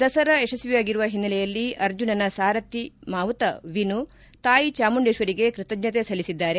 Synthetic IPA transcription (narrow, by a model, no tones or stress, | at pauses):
d̪ɐsɐɾɐeʂɐsʋijaːɡiɾuʋɐɦinːɐlɛjɐlːiʔɐɾd͡ʒunɐnɐsaːɾɐt̪ːimaːʋt̪ɐʋinu | t̪aːjit͡ʃaːmuɳɖeːʃʋɐɾiɡe̞kɾɨt̪ɐɡɲɐt̪esɐlːisid̪ːaːɾe